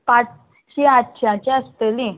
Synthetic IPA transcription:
pat͡s | ɕiat̪ɕjãt͡ɕeəst̪elĩ

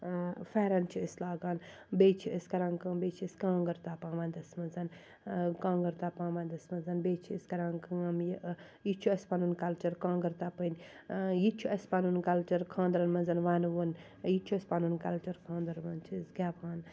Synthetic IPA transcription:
fɛːɾɐnt͡ʃʰiislaːɡaːn | beːt͡ʃʰiɐskɐɾãŋkɐbeːt͡ʃʰiəskãːŋɡɐɾt̪aːpãːʋɐnd̪ɐsmɐnzɐn | kãːŋɡɐɾt̪apãːmɐ̃nd̪ɐsmɐnzɐnbeːt͡ʃʰiəskɐɾaŋkɐɐmj | jit͡ʃʰuɐsʲpanunkɐlt͡ʃɐɾkãːŋɡɐɾt̪apɨnʲ | jit͡ʃʰuʔɐspanunkɐlt͡ʃɐɾkʰãːnd̪ɾɐnmɐnzɐnʋanʋun | jit͡ʃʰuɐsʲpanunkɐlt͡ʃɐɾkʰãːnd̪ɐɾmɐnt͡ʃʰisɡʲapʰaːn

